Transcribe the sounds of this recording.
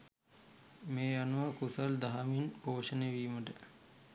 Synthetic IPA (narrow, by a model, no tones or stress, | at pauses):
meːanuʋəkusɐld̪aɦaminpoːʂəneʋiːməʈə